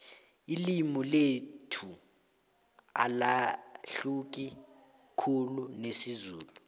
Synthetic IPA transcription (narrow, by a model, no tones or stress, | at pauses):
ilimɔletʰu | a̰laɬuk̬i | kʰulunesizuːlu